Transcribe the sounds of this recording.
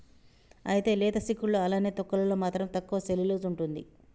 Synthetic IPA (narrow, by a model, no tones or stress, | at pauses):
ɐjit̪e̞ːlɛːd̪ɐsikːuɭːoːɐlaːneːt̪ɔkːɐlɐloːmaːt̪ɾɐmt̪ɐkːuʋɐseliloːzuɳʈund̪ḭ